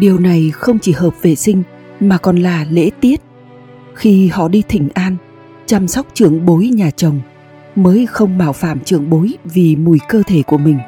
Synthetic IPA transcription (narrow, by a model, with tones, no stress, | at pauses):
ɗi˨˩əwna˨˩jxə˧wŋ͡mt͡ɕi˧˩ɦəː˨˩p̚ve˨˩sï˧ŋ̟ | maː˨˩kɔ˨˩nlaː˨˩lḛ˧˥t̪i˦˥ət̚ | xi˧hɔ̰˧˨ɗi˧t̪ʰï˧˩ŋ̟ʔaː˧n | t͡ɕa˧msa˦˥wk͡p̚t͡ɕɨ˧˩əŋɓo˨˦jɲaː˨˩t͡ɕə˨˩wŋ͡m | məː˨˦jxə˧wŋ͡mɓaː˧˩wfaː˧˩mt͡ɕɨ˧˩əŋɓo˨˦jvi˨˩mu˨˩jkəː˧t̪ʰe˧˩ku˧˩əmï˨˩ŋ̟